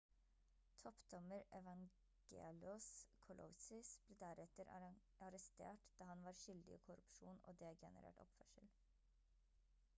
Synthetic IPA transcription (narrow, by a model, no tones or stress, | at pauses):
t̪ʰɔpd̪ɔməɾɛʋɑŋ | ɡ̥ḛːlʊskʰʊlʔɔ̰sʏsb̥leːd̪æɾɛt̪əɾ | ɑɾɛst̪ḛːʈd̪̥ɑːhɑnʋɑːɾʃʏld̪ɪḭːkʰʊɾʉpʃuːno̰ːd̪eːɡɛ̰nə̰ɾḛʈɔ̰pfœʂəl